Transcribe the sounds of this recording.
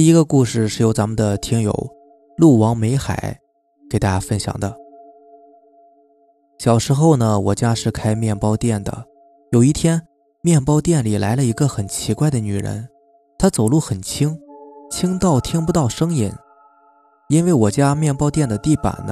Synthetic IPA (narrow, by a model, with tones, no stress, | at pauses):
i˥˧i˧˥ɡə˧ku˥˧ʂɻ̩˥˧ʂɻ̩˥˩jo˧˥ʊt͡sa˧˥mə˨nd̪ə˨t̪ʰi˥ŋjo̰˧˩˦ʊ | lu˥˩wɑ˧˥ŋme˧˥ɪxa̰˨˩˦ɪ | ke˨˩ɪt̪a˥˧t͡ɕja˥fə˥nɕjɑ̰˨˩ŋd̪ə˦ | ɕjɑ˨˩ʊʂɻ̩˧˥xo˥˧ʊnə˩wɔ˨˩t͡ɕja˥ʂɻ̩˥˩kʰa˥ɪmjɛ˥˩npɑ˥ʊt̪jɛ˥˩nd̪ə̰˩ | jo˨˩ʊi˥˩t̪ʰjɛ˥n | mjɛ˥˩npɑ˥ʊt̪jɛ˥˩nli˨˩la˧˥ɪlə˧i˧˥ɡə˧xə˨˩nt͡ɕʰi˧˥kwa˥˩ɪd̪ə˩ny˨˩ɻə̰˧˥n | t̪ʰa˥t͡so˨˩ʊlu˥˩xə˨˩nt͡ɕʰi˥ŋt͡ɕʰi˥ŋt̪ɑ˥˩ʊt̪ʰi˥ŋpu˧t̪ɑ˥˩ʊʂɤ˥ŋi˨˩˦n | i˥nwe˥˩ɪwɔ˨˩t͡ɕja˥mjɛ˥˩npɑ˥ʊt̪jɛ˥˩nd̪ə˩t̪i˥˩pa̰˨˩nə˦